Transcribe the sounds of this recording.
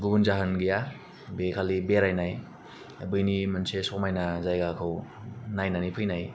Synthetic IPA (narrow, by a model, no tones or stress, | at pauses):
ɡubunzaɦɯnɡija | bekʰalːibeɾajnaj | bɯjnimɯnsesomajnazajɡakʰɯw | najnanipʰɯjnaj